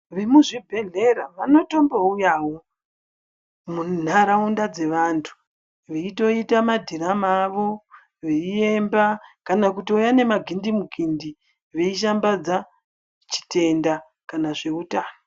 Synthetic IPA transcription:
ʋemuʐibʱe̞ɮe̞ɾaʋano̞to̞mbaujaːwo̞ | mun̤aɾaundad͡ze̞ʋantʰu̥ | ʋeito̞itamadʱiramaʋo̞ | ʋeie̞mbakanakutiujane̞maɡʱindimuɡʱindi | ʋeiʃ̬ambad͡za | t͡ʃi̥te̞nda | kanaʐe̞utaːno

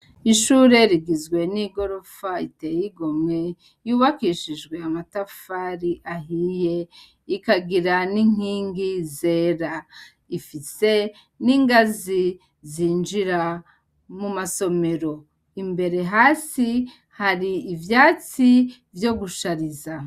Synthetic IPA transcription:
iʃuːɾe̞ɾiɡizɡwe̞niɡo̞ɾo̞faitejiɡo̞mŋe̞ | juːβakiʃiʒɡwe̞amatafaɾiʔaɦije̞ | ikaɡiɾaniŋ̥iːŋɡize̞ːɾa | ifise̞ | niŋɡazi | ziːnd͡ʒiɾa | mumaso̞me̞ɾo̞ | imbe̞ɾe̞ɦaːsi | haɾiːvjaːt͡si | vjo̞ɡuʃaɾiza

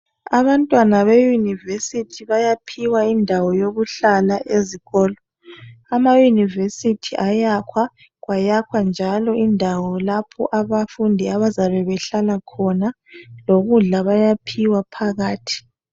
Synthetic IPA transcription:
aβantʼwanaβejunivesitʰiβajapʰiwaindʱawɔjoɣuɬalaʔeziɣɔːlɔ | amajunivesitʰiʔajakʰwa | ɣwajakʰwand͡ʒʱalɔʔindʱawɔlapʰɔ̰ʔaβafundʱiaβazaβɛβɛɬalakʰɔna | loɣuɮaβajapʰiwapʰaɣaːtʰi̥

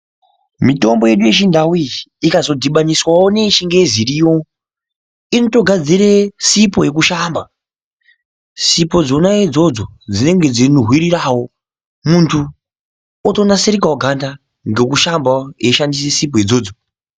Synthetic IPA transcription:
mito̞mbo̞je̞ɗuje̞t͡ʃindʱawiikazo̞dʱiɓaniswawone̞ʃiŋɡe̞ziɾijo̞ | inoto̞ɡʱad͡ziɾesipo̞je̞k̬uʃamba | sipo̞d͡zo̞naed͡zo̞d͡zod͡zine̞ŋɡe̞d͡zinuɦwiɾiɾawo̞ | muntʰu | oto̞naseɾikawoɡʱanda | ŋɡe̞kuʃambajeʃandisesip̬ojed͡zo̞ːd͡zo

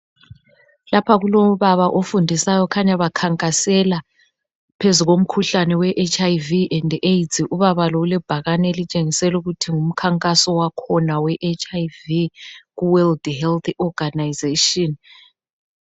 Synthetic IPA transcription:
lapʰaɣuloβaβaʔofundʱisajɔkʰaɲaβakʰaŋkʼasɛla | pʰezuɣom̩kʰuɬanɛwɛʔet͡ʃʰʼajviʔɛndejtʰʼiʔuβaβalɔulɛb̥ʱaɣanɛelit͡ʃʼeŋisɛluɣutʰiŋum̩kʰaŋkʼasɔwakʰɔnawɛʔet͡ʃʰʼajviɣuwɛldhɛlt̪ɔɡanajzeʃɔn

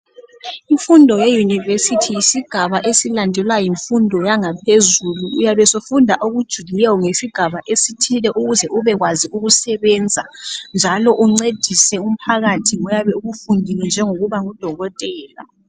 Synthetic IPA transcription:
iɱfundʱɔjejunivesitʰijisiɡ̥ʱaβaʔesilandʱɛlwajiɱfundʱɔjaŋapʰezuluːjaβɛsofundʱaʔoɣud̥ʒ̥ʱuɣilɛwɔŋesiɡ̥ʱaβaʔesitʰilɛʔuɣuzɛʔuβɛɣwaziuɣusɛβɛnd͡zʱand͡ʒʱalɔʔuŋ͡ǀed̥ʱisɛum̩pʰaɣatʰiŋɔjaβɛuɣufundʱilɛnd͡ʒʱɛŋoɣuβaŋud̥ʱɔɣɔtʼɛːla̰

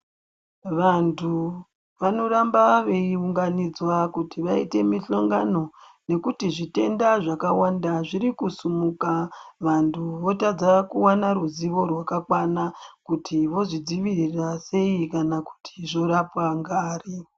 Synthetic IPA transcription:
ʋantʰu | ʋano̞ɾambaʋe̞iuŋɡanid͡zwakutiʋaite̞miɬoŋɡano̞ne̞kutiʐite̞ndaʐakawandaʐiɾikusumukaʋantʰuʋo̞tad͡zakuwanaɾuziʋo̞rwakakwanakutʰiʋo̞ʐid͡ziʋirirase̞ikanaku̥tʰi̥ʐo̞ɾapwaŋɡaːri

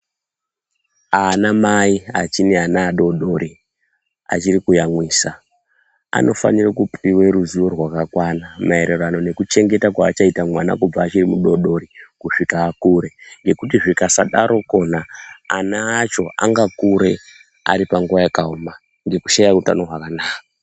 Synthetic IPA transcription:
anamaia̰t͡ʃineanaːɗo̞ɗo̞ɾi | a̰t͡ʃiɾikujamwiːsa | a̰nʔo̞fa̰nirakupiwe̞ɾuzuo̞rwakakwanamae̞ɾerano̞ne̞kut͡ʃe̞ŋɡe̞takwaːt͡ʃaitamwana̰kub͡vaːt͡ʃirimuɗo̞ɗo̞ɾikuʂikaːkuɾe̞ŋɡe̞kutiʐikasaɗaɾʔo̞ko̞na̰ːnaːt͡ʃo̞ʔa̰ŋɡakuɾe̞ | a̰ɾipaŋɡuʋajakauma | ŋɡe̞ku̥ʃajakuta̰noɦwakanaːka

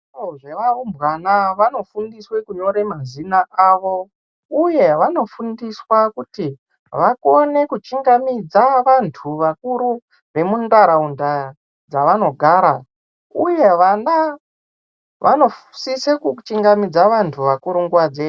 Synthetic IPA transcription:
oʐe̞ʋaombwanaʋano̞fundiswe̞kuɲo̞ɾe̞mazinaaʋo̞ | uje̞ʋano̞fundiswakuti | ʋakone̞kut͡ʃiŋɡamid͡zaʋantʰuʋakuɾu | ʋe̞mundaɾaunda | d͡zaʋano̞ɡʱaːɾa | uje̞ʋana | ʋʔano̞fsisekut͡ʃiŋɡamid͡zaʋantʰuʋakuɾuŋɡuwad͡ze

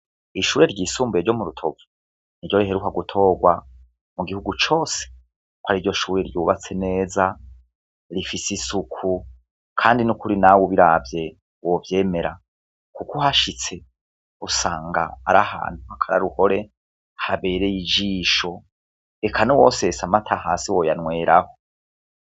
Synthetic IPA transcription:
iʃuːɾe̞ɾɟiːsuːmbeɾɟo̞muɾutʰo̞vu̥ | niɾɟo̞ɾiɦe̞ɾukaɡutʰo̞ːɡwa | muɡihuɡut͡ʃo̞ːse̥ | kwaɾiːɾɟo̞ʃuːɾeɾjuːβat͡se̞ne̞ːza | ɾifisisukʰu | kʰaːndinukuɾinawuβiɾavje̞ | wovje̞ːme̞ɾa | kukuhaʃit͡se̞ | usaːŋɡa̰ːɾa̰ha̰ːn̥huhakʰaɾa̰ɾuho̞ɾe̞ | haβe̞ːɾe̞jid͡ʒiːʃo̞ | ekʰanowo̞se̞samatʰaɦaːsiwo̞janwe̞ːɾʔaho̞

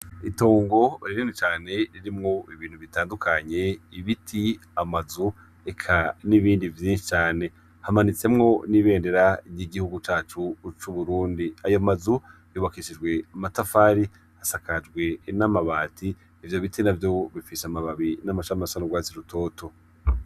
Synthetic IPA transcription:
ito̞ːŋɡo̞ɾiɾinit͡ʃaːne̞ɾiɾimŋo̞iβiːn̥huβitaːndukʰaɲe̞iβitʰi | amazu | ekʰaniβiːndivjiːnʃi̥t͡ʃaːne̞ | hamanit͡se̞mŋo̞niβe̞ːnde̞ɾajiɡihuɡut͡ʃaːt͡ʃut͡ʃuβuɾuːndiajomazu | juːβakiʃid͡ʒɡwe̞amatafaːɾi | hasakʰad͡ʒɡwe̞namaβaːtʰiː | vjoβitʰinavjo̞βifisamaβaβinamaʃamaʃaɾuɡwaːt͡siɾutʰo̞ːtʰo̞

